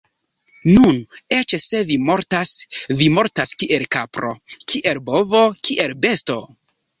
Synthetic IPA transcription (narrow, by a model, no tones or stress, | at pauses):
nunet͡ʃese̞vimo̞ɾtasvimo̞ɾtaskiʔe̞lkapɾo̞̰kʰiʔe̞lbo̞vo̞kʰiʔe̞lbe̞sto̞